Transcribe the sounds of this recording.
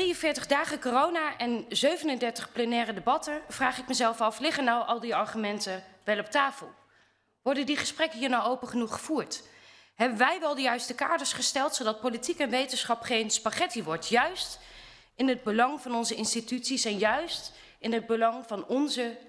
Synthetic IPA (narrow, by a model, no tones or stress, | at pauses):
driənvɪːɹtəχdaːχəkorownaːʔɛnzøɥvənəndɛɹtəχplənɛːrədebɑtəv̥raːχɪk̚mɛzɛlˠfɑflɪχənawʔɑlˠdiɑɹχymɛntəʋɛlˠɔp̚taːfəlˠ | ʋɔɹdəndiχəsprɛkəɦiːɹnawowpəχənuχəv̥uːɹt | ɦɛbənʋɛjʋɛlˠdəjœɥstəka̰ːɹdəɹsχəstɛlˠtsowdɑt̚politikɛnʋejtənsχɑpχejnspaχɛtiʋɔɹtjœɥst | ɪnəd̚bəlɑŋvɑnɔnzəɪnstitytsisɛnjœɥst | ɪnɦəd̚bəlɑŋvɑnɔnzə